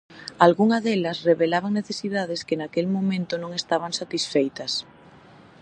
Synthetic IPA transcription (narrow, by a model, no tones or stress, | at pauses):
alɣuŋɐðelɐsreβelaβaŋneθesiðað̞eskenakelmõmẽnt̪ʊnõŋest̪aβ̞aŋsat̪isfejt̪ɐs